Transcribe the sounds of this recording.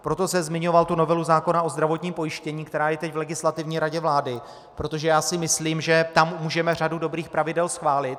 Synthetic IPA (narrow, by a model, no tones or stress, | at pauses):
pɾo̞t̪o̞sɛmzmɪɲo̞valt̪uno̞vɛluzaːko̞naʔo̞zd̪ɾavo̞t̪ɲiːmpo̞jɪʃcɛɲiːkt̪ɛɾaːjɛt̪ɛcvlɛɡɪslat̪ɪvɲiːɾaɟɛvlaːdɪ | pɾo̞t̪o̞ʒɛjaːsɪmɪsliːmʒɛt̪ammuːʒɛmɛr̝adudo̞bɾiːxpɾavɪdɛlsxvaːlɪt̪̚